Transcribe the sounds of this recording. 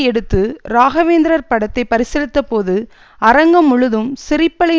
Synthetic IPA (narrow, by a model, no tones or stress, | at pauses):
ɛɽɯt̪ːɯɾaːɣɐʋeːnd̪ɪɾɐɾpɐɽɐt̪ːɐɪpɐɾɪsɛlɯt̪ːɐpoːðɯ | ɐɾɐŋɡɐmːʊɻɯðɯmsɪɾɪpːɐɭɐ